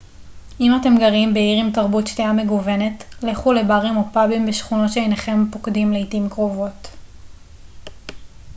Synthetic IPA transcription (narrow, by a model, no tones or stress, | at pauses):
imate̞mɡaʁimbeiʁimtaʁbutʃteame̞ɡuve̞ne̞tleχule̞baʁimopabimbeʃχuno̞tʃeejneχe̞mpokdimleitimkʁo̞vo̞t